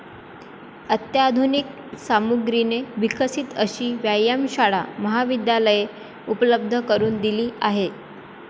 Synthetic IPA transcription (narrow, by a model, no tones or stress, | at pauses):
ət̪jad̪ʱunik̚ | samuɡɾineʋikəsiːt̪əɕiːʋjajamɕaɽa̰məɦaʋid̪jaləje | upələb̚d̪ʱəkəɾuːnd̪iliːaɦe